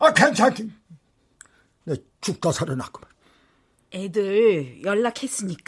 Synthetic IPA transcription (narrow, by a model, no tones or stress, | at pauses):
akʰent͡ɕʰaki | ne | t͡ɕuk̚t͈ʌsʰaɾɯna̰k͈ɯba | edɯjʌɭːakʰe̞s͈ɯɲik͈